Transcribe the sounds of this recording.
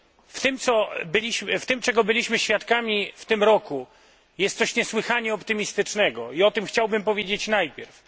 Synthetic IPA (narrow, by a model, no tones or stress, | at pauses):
ft̪ɘmt̪sɔbɘlʲiɕmft̪ɘmt͡ʂɛɡɔbɘlʲiɕmɘɕfʲjat̪kamʲift̪ɘmɾɔku | jɛst̪sɔɕɲɛswɘxaɲɛɔpt̪ɘmʲist̪ɘt͡ʂnɛɡɔiɔt̪ɘmxt͡ɕawbɘmpɔvʲjed͡ʑet͡ɕnajpʲjɛɾf